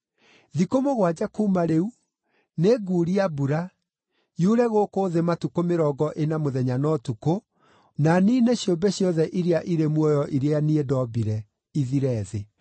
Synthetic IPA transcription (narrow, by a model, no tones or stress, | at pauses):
ðikomoɣwad͡ʑakuːmaɾeu | neɡuːɾiabuɾa | juɾɛɣoːkoːðematukomeɾɔɡɔʔenamoðɛɲanɔtuko | nanineɕjombɛɕjɔðɛʔiɾeaʔiɾemwɔjɔʔiɾeaniedɔbiɾɛ | iðiɾɛðe